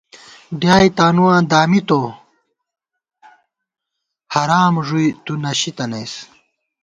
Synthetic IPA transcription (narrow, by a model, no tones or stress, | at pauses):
ɖjaːjt̪aːnuwãːd̪aːmit̪o | hɐɾaːmʐujt̪unɐɕit̪ɐnɐjs